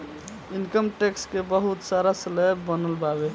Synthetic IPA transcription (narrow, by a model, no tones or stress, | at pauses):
inkəmʈekskebəɦut̪saɾasəlebbənəlbabe